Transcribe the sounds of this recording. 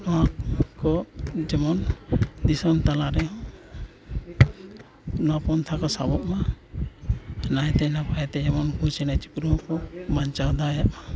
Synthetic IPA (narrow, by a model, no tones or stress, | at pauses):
nɔwakɔd͡ʒɛmɔnd̪isɔnt̪alaɾɛɦɔ̃ | nɔwapɔnt̪ʰakɔsabɔʔma | najt̪ɛnapaɛt̪ɛd͡ʒɛmɔnkut͡ʃɛnɛt͡ʃikɾukɔmaɲt͡ʃawd̪ajaʔma